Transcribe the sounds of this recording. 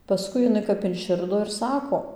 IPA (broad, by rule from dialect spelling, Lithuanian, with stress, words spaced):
pɐˈskʊɪ jɪˈnɐɪ kɐp ɪnʲˈʃʲɪrdoː ɪr ˈsɑːkoː